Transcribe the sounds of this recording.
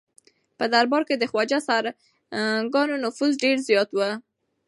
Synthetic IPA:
pəd̪aɾbɑɾked̪əxwad͡ʒasaɾ | ɡɑnonʊfuzɖeɾzjɑt̪wə

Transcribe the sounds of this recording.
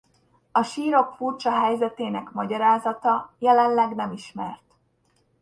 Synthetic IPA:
ɒʃiːɾo̞kfurt͡ʃɒɦɛjzɛt̪eːnɛkmɒɟɒɾaːzɒt̪ɒjɛlɛnlɛɡnɛmiʃmɛrt̪

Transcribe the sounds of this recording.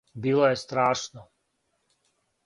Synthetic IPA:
biːlojest̪ɾaːʃno

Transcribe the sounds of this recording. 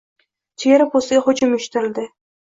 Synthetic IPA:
t͡ʃʰeeɾɪpost̪ɪɡʲaχʊd͡ʒʊmʊʃt̪ɪɾɪld̪ɪ

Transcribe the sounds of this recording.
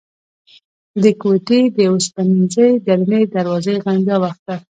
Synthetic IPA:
d̪əkweʈed̪əospaninzəjd̪aɾned̪aɾwɑzəjɣaŋɡawaxt̪̚a

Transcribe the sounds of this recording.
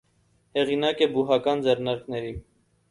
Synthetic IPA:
hɛʁinɑkɛbuɦɑkɑnd͡zɛrnɑɾknɛɾi

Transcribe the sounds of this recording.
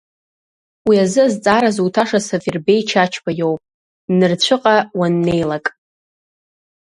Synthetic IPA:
wiazɨazt͡sʼaɾazuwtʰaʂasavirbe̞jt͡ʃʰat͡ʃʰbʰajowpʼ | nɨrt͡ɕʷʰɨqʼawanːe̞jlakʼ

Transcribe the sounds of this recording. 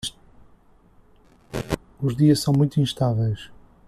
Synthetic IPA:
uʒðiɐʃsɐ̃w̃mũj̃t̪uĩʃt̪avɛjʃ

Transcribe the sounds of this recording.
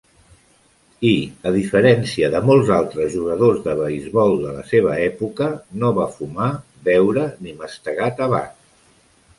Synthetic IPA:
iəðifəɾɛnsiəðəmolˠzalˠt̪ɾəzʒuɣəðozðəβəizβɔlˠd̪ələ̰seβ̞əɛpukənoβafuma | βɛwɾəniməst̪əɣat̪əβa̰n

